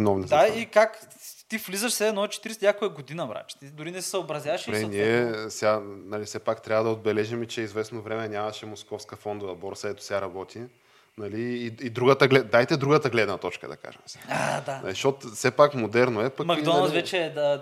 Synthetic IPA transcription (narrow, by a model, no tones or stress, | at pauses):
inɔvnid̪aikakt̪iflizəʃsɛɛnɔt͡ʃɛ̥t̪iɾɛsɲʲakojɛɡod̪inɐmɾa̰t͡ʃt̪id̪ʊɾinɛsɛ̥sɐobɾɐzʲjaɐʃɾɛniɛsɛanɐlifsɛpakt̪ɾʲavəd̪ɐod̪bɛlɛʒimɛt͡ʃɛizvɛsnovɾɛmɛnʲamɐʃɛmoskɔfskəfɔnd̪ovɐbɔɾsɛt̪ʊ̥sʲaɾɐbɔt̪ʰi | nɐliːd̪ɾuɡət̪əɡlɛd̪ajt̪ɛd̪ɾuɡət̪ɐɡlɛd̪nɐt̪ɔt͡ʃkə̰d̪ɐ̰ka̰ʒɛ̰msaad̪anɐ̰liʃot̪sɛpakmod̪ɛɾnoɛpɐkmɐɡ̪ɔnlɐvɛt͡ʃɛd̪ɐ